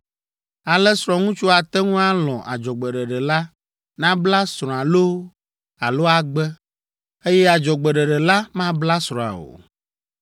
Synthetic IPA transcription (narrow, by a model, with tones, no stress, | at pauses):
a˨lɛ˦sɾɔ̃˨ŋũ˦t͡ʃu˦a˨t̪ɛ˦ŋũ˦a˦lɔ̃˨ʔa̰˨d͡ʒɔ˨ɡ͡bɛ˨ɖɛ˨ɖɛ˨la˦ | nã˦bla˦sɾ̃ɔ̃˨a˨lo˦ | a̰˨lo˦a˨ɡ͡bɛ˦ | e˦jɛ˦a˨d͡ʒɔ˨ɡ͡bɛ˨ɖɛ˨ɖɛ˨la˦mã˦bla˦sɾɔ̃˨a̰˨o̰˨